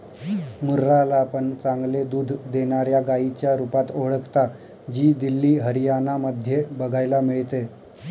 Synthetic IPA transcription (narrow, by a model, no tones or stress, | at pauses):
muɾːalaːpəɳt͡saŋɡled̪uːd̪ʱd̪eɳ̃aɾjaɡait͡ɕjaɾupat̪oɭəkt̪a | d͡ʑiːd̪ilːiːɦəɾijanaməd̪ʱjebəɡʱajlamiɭt̪e